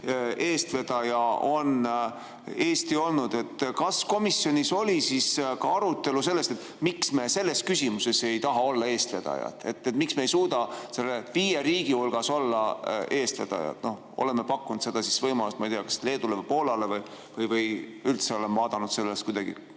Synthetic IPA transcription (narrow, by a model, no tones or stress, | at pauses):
e̞ːst̪ve̞d̪̥ɑjɑo̞n | e̞ːst̪io̞lnud̪̥e̞t̪ːkɑsko̞misjo̞nʲiso̞lʲisiskɑɑɾut̪ːe̞luselːe̞st̪e̞t̪ːˑ | miksme̞ːse̞lːe̞skysimuse̞se̞jt̪ɑɦɑo̞lːɑe̞ːst̪ve̞d̪̥ɑ̰jɑ̰t̪ːˑe̞t̪ːet̪miksmeejsuːd̪ɑse̞lːeviːjeɾiːɡ̥iulɡ̥ɑso̞lːɑe̞ːst̪ve̞̰d̪̥ɑ̰jɑ̰t̪no̞h | o̞̰le̞mːepɑkːunut̪se̞d̪ɑsisvɤjmɑlust̪mɑijt̪ejɑkɑ̥sle̞ːd̪ulevɤjpoːlɑle̞vɤj | vɤjvɤjylt̪seo̞lemvɑːd̪̥ɑnud̪se̞lːest̪kujd̪ɑɡ̥ḭ